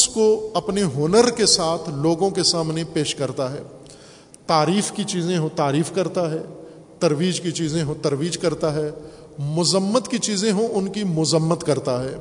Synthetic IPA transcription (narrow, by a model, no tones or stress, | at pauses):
skoɐpneɦoːnəɾkesaːt̪ʰloːɡõkesaːmnepeːʃkɐɾt̪aɦɛː | t̪aːɾiːfkit͡ʃiːzẽɦõt̪aːɾiːfkɐɾt̪aɦɛː | t̪ɐɾʋiːd͡ʒkit͡ʃiːzẽɦõt̪ɐɾʋiːd͡ʒkɐɾt̪aɦɛː | mʊzəmːət̪kit͡ʃiːzẽɦõʔʊnkimʊzəmːət̪kɐɾt̪aɦɛː